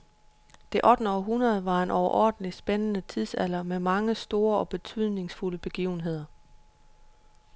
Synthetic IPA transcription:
d̥e̝ʔɒ̽d̥n̩ɒɦunʁɐð̩ˠʋɑ̈e̝nʔɒʊɐʔɒ̰ːd̥n̩lisb̥enənət͡sʰiðˠsælɐmemɑ̈ŋəsd̥o̝ːɐɒ̽b̥e̝t͡sʰyð̞̰ˠne̝ŋsfuləb̥e̝ɡ̥iːʊn̩ɦe̝ð̞̰ˠɐ

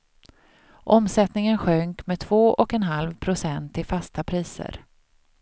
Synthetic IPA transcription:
ʔɔmsɛt̪nɪŋənɧœŋkmɛt̪ʰvoːʔɔkɛnɦalvpʰɾʊsɛnt̪ʰːɪlfast̪apʰɾiːsə̰ɾ

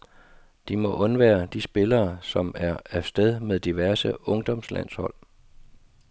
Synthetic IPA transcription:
d̥imɒ̽ʔɔ̽nʋæːɐd̥isb̥e̝lɐːsɒ̽mæɐæsd̥eð̞ˠmeðˠd̥iʋæɐsəɔ̽ŋd̥ɒ̽mslæ̰n̰shɒ̽l̰

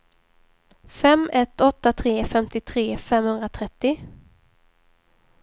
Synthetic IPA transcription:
fɛmɛt̪ɔt̪ːat̪ʰɾeːfɛmt̪ɪt̪ʰɾeːfɛmhɵnd̪ɾat̪ʰɾɛt̪ːɪ

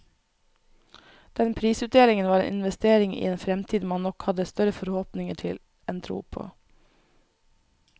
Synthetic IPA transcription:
d̪̥ɛnpʰɾiːsʉːt̪̚d̪eːlɪŋənʋɑːɾḛːnɪ̰nʋɛst̪eːɾɪŋḭːeːnfɾɛmt̪ʰiːd̪mɑnnɔkhɑd̪əst̪œɾəfɔɾhoːpnɪŋəʈʰɪl | ɛnt̪ʰɾṵːpʰo̰ː

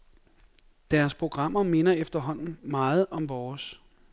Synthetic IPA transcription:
d̥æːɐspʰʁo̝ɡ̥ʁɑ̈m̰ɐme̝nɐefd̥ɐɦɒ̽n̰n̩mɑ̈ːð̞̩ˠɒ̽mʋɒːs

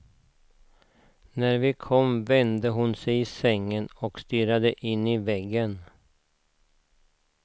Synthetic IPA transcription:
næɾvɪkʰɔmvɛnd̪əɦʊnsɛjɪsɛŋːənɔkst̪yːɾad̪əʔɪnːɪvɛɡːən

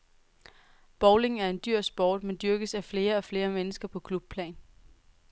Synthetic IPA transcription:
b̥ɒʊle̝ŋæɐe̝nd̥yɐ̰sb̥ɒ̰ːd̥mend̥yɐɡ̥əsæfle̝ːɐɒ̽fle̝ːɐmenəsɡ̥ɐpʰɒ̽kʰlub̥̚pʰlɛ̰ːn

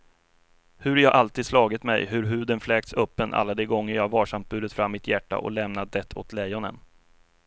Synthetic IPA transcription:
hɵɾjɑːʔalt̪iːd̪slɑːɡɪt̪mɛ̰jɦɵɾɦʉ̟ːd̪ənflɛːk̚t̪sœpːənʔa̰lːad̪ɛɡɔŋːəjɑːɡvɑːʂamt̪̚bʉ̟ːd̪ət̪fɾamːɪt̪jæʈːa̰ʔɔ̰lɛmnad̪ɛt̪ʰːɔ̰t̪ʰlɛjɔnə̰n

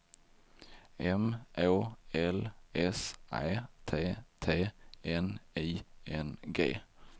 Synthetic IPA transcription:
ɛmʔoːɛlɛsʔæ̰ɪt̪ʰeːt̪ʰeːʔeniːʔɛnɡḛː

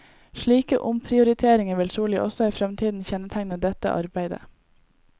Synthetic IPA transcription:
ʃɭiːkə̰ʔʊmpʰɾɪʊɾɪt̪ʰeːɾɪŋəʋɪlt̪ʰɾuːlɪʔɔ̰sɔæːfɾɛmt̪ʰiːd̪n̩çɛnət̪ʰæŋnəd̪ɛt̪ə̰ʔɑ̰ɾbæɪd̪ə̰

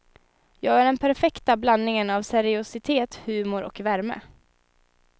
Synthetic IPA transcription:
jɑːɡæɖɛnpʰæɾfɛkt̪ablanːɪŋənavsɛɾɪʊsɪt̪ʰeːt̪hʉ̟ːmʊɾɔ̰kvæɾmə̰

